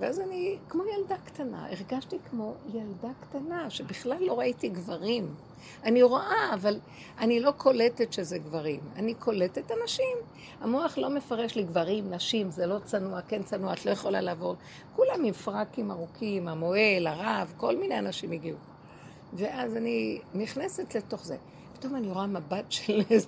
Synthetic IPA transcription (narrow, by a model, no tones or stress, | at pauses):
veazanikmo̞jaldakt̪ana̰ʔeʁɡaʃtikmo̞jaldakt̪anaʃebiχlalːo̞ʁaitiɡvaʁim | aniʁoʔaːval | ʔanilo̞kʰo̞letetʃezeɡvaʁima̰nikʰo̞letet̪anaʃim | amoaχlo̞me̞faʁeʃliɡvaʁimnaʃimzelo̞t͡sanuakent͡sanuaat̪lo̞jeχo̞la̰laːvo̞ʁ | kulamhimfʁakimaʁukʰimamo̞elaʁavko̞lminejanaʃimiɡiu | veʔazaniniχnese̞tle̞to̞χze | pi̥t̪o̞maniʁo̞amabatʃel